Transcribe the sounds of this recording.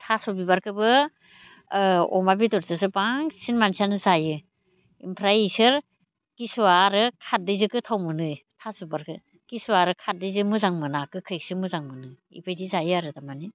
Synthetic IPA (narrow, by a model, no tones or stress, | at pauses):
tʰasubibaɾkʰɯbɯ | ɔ̰mabitɔɾzɯsɯbaŋsinmansianɯzajɯ | impʰɾaisɯɾ | kisuaɾɯkʰat̚dɯjzɯkɯtʰawmɯnɯjtʰasubaɾkʰɯ | kisuaɾɯkʰat̚dɯzɯmɯzaŋmɯnakɯkʰɯjk̚sɯmɯzaŋmɯnɯ | ḭpʰɯjzizajɯaɾɯdamani